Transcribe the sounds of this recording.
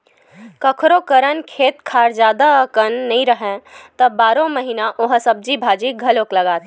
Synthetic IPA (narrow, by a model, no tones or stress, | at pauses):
kəkʰɾokəɾənkʰeːt̪kʰaːɾd͡ʒaːd̪akənːəɦĩɾəɦẽt̪əbaːɾõməɦinaʔoɦsəb̚d͡ʒibʱaːd͡ʒiɡʱəloːkləɡaːt̪